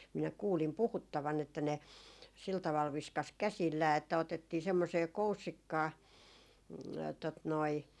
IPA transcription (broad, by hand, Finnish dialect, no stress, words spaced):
minæ kuːlim puhutːɑʋɑn etːæ ne sil tɑʋɑl ʋiskɑs kæsilːæː etːæ otetːiː semːoseː kousːikːɑː tot noi